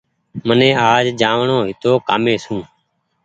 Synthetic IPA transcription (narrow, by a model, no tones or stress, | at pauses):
mənẽːaːd͡ʒd͡ʒaːʋɳoːɦɪt̪oːkaːmẽːsũː